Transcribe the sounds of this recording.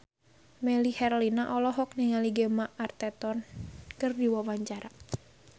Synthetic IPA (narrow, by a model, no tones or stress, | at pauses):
mɛlihɛrlinaʔɔlɔɦɔk̚niŋaliɡɛmaʔart̪ɛt̪ɔnkɨrdiwawaɲt͡ʃaɾa